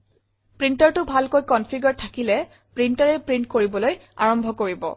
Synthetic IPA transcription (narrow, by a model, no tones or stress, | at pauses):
pɹintɔɹtʊbʱalkojkɔnpʰiɡɔɹtʰakilɛ | pɹintɔɹɛpɹint̚koɹibɔloja̰ɹɔmbʱɔkoɹibɔ̰